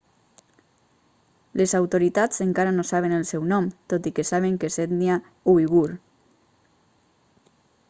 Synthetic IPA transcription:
lezawt̪oɾit̪azəŋkaɾanosaβ̞enəlˠsɛwnɔmt̪ot̪ikesaβ̞eŋkesed̪nia | uiɣuɾ

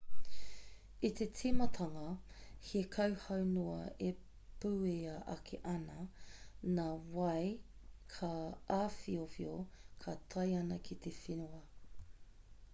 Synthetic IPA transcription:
it̪ʰet͡sʰimɐtʰɐŋɐhikʰɐwhɐwnoɐ̰e | puːeɐʔɐ̰kʰeʔɐnɐ | naːwɐjkʰaaːfiofiokʰatʰɐjɐnɐkʰit̪efinuɐ

